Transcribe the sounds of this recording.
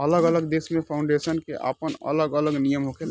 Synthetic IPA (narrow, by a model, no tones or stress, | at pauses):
ələɡələɡd̪eːsmẽpʰaʊ̃ɳɖeːsənkeʔa̰ːpənə̰ləɡələɡnijəmɦoke